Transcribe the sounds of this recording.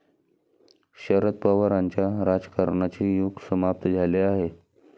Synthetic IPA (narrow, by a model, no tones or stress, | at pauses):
ɕəɾət̪̚pəʋəɾaɲt͡ɕjaɾad͡zkaɾɳat͡ɕijuɡsəmap̚t̪əd͡zʱaleaɦe